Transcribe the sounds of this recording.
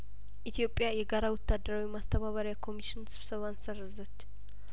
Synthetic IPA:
ʔit̪ʰijo̞pʼːjajɛɡaɾawɔt̪ʰːad̪əɾawimast̪ʰəβaβəɾjakʰo̞miʃɪnsɨβ̥səβansərəzət͡ʃː

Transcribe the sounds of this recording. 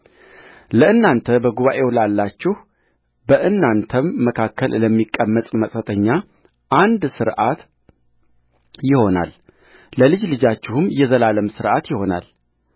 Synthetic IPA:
ləɨnːant̪ʰəbəɡuβaʔe̞wlalːat͡ʃːɪh | bəʔɨnːant̪ʰəmːəkʰakʰːəlləmːikʼːəmːət̪ʼməsʼət̪ʼʰəɲːa | ʔand̪sɨɾʔat̪ | jɪho̞na̰l | ləlɨd͡ʒlɨd͡ʒat͡ʃːɪhumjɛzəlaləmsɨɾʔat̪jɪho̞na̰l

